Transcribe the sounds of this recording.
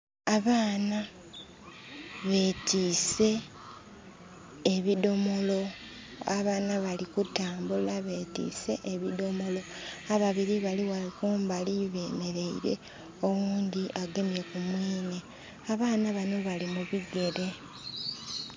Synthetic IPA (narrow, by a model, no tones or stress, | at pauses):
aβaːna | βe̞tiːse̞ | βido̞mo̞lo̞ | aβaːnaβalikutaːmbulaβe̞ːtḭːse̞ʔeβido̞mo̞lo̞aβaβiɾiβaliwakuːmbaliβe̞ːme̞ɾe̞iɾe̞̰ | owuːnd̪iʔaɡe̞mje̞kumwiːne̞ | aβaːnaβano̞βalimuβiɡe̞ɾe̞